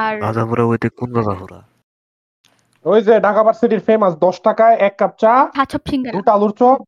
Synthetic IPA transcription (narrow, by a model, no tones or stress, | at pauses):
ɾazabuɾaojt̪ekonɡazaɦoɾa̰ | ojd͡ʑeɖakabaɾseʈiɾfemasd̪ɔʃʈakaeɛkːap̚t͡ɕaat͡ɕʰɔpʰiŋuʈaluɾt͡ɕɔ